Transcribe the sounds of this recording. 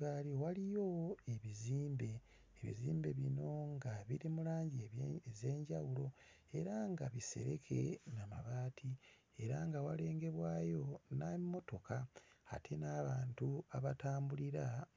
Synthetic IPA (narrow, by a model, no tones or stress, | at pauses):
ɡaliwalijo̞e̞βiziːmbe̞ː | βḭziːmbe̞βino̞ŋɡaβiɾimulaːɲɟize̞ːɲɟawulo̞ | e̞ɾaŋɡaβise̞̰ɾe̞̰kʰe̞̰nama̰βaːtʰi | e̞ɾaŋɡawale̞ːŋɡe̞βwaːjo̞namːo̞to̞kʰaatʰe̞naːβaːntuaβataːmbuliɾa